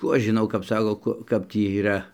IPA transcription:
ˈkuː ɐʃ ʒʲɪˈnɐʊ kɐp ˈsɑːkoː ˈkʊ ˈkɐp tʲiː iːˈrɐ

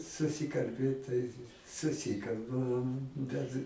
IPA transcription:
sʊsʲɪkɐlʲˈbʲeːt tɐɪ sʊˈsʲɪkɐlˠbɐm bʲɛt

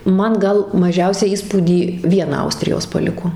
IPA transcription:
ˈmɐn ˈɡɐlˠ mɐˈʒʲɛʊsʲæː ˈiːspuːdʲiː ˈʋʲiɛnɐ ˈɐʊsʲtʲrʲɪjoːs pɐˈlʲɪkoː

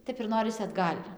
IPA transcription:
ˈtʲɛp ɪr ˈnoːrʲɪsʲɪ ɐdˈɡɐlʲ

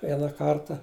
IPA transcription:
ˈʋʲiɛnɐ ˈkɐrtɐ

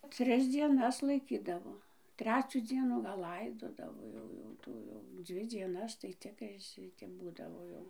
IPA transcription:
ˈtʲrʲɪs d͡zʲiɛˈnɐs lˠɐɪˈkʲiːdɐʋoː ˈtʲrʲæːt͡sʲuː ˈd͡zʲiɛnuː ɡɐlˠ ˈlˠɐɪdoːdɐʋoː ˈjɛʊ jɛʊ ˈtuː jɛʊ ˈd͡zʲʋʲɪ dʲiɛˈnɐs tɐɪ ˈt͡sʲɪkrɐɪ ˈʃʲɪtʲɛp ˈbuːdɐʋoː jɛʊ

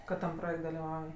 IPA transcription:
kɐt tɐm ˈproːjɛktʲ dɐlʲɪˈʋɐʊj

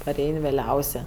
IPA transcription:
pɐˈrʲɛɪnʲ ʋʲeːˈlʲɛʊsʲeː

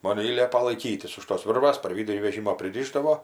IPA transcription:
ˈmoːn ɪ ˈlʲiɛpɐ lˠɐɪˈkʲiːtʲɪs ʊʃ toːs ˈʋʲɪrʋɐs pɐr ˈʋʲiːdʊrʲiː ʋʲɛˈʒʲiːmoː pʲrʲɪˈrʲiːʒdɐʋoː

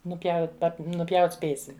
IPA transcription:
nʊˈpʲjɛʊt nʊˈpʲjɛʊtʲ ˈsʲpʲeːsʲɪm

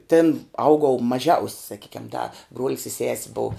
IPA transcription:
ˈtʲɪn ˈɐʊɡɐʊ mɐˈʒʲɛʊsʲ sɐˈkʲiːkʲɛm dɐ bruɔlʲs ɪ sʲɛsʲ bʊʊ

